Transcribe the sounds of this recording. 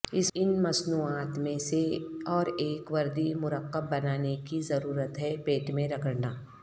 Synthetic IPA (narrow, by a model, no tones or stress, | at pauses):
ɪsɪnmɐsnuːaːt̪mẽseɔːɾeːkʋɐɾd̪imʊɾəqːəbːɐnaːnekizɐɾuːɾət̪ɦɛpeːʈmẽɾɐkəɽnaː